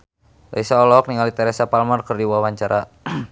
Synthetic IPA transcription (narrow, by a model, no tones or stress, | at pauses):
laisaɔlɔk̚niŋalit̪ɛɾɛsapalmarkɨrdiwawaɲt͡ʃaɾa